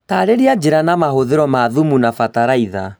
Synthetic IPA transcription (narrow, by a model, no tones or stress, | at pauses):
taːɾeɾiad͡ʒeɾanamaɦoðeɾɔmaːðumunafataɾaiða